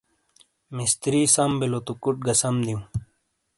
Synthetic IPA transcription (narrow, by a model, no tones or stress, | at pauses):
mist̪ɾiːsɐmbilot̪ukuʈ̚ɡɐsɐmd̪iũ